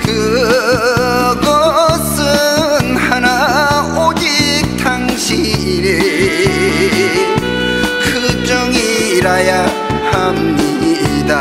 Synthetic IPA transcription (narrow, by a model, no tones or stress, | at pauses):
kɯ | ɡʌsɯnhana | od͡ʑi | k̚tʰaŋɕʰiː | ɾe | kʰɯt͡ɕʌŋiɾaja | hamɲida